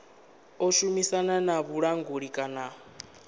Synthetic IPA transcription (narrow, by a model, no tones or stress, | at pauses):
ɔʃumisananaβuɺaŋɡoɺikʼana